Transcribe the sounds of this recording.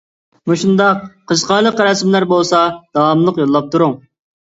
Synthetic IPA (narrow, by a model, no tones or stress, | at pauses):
muʃund̪ɑqqʰəʃqɑlˠəqɾɑsmlæɾbolˠsɑd̪̥ɑwɑmlˠəqjolˠːɑp̚t̪ʰuɾuŋ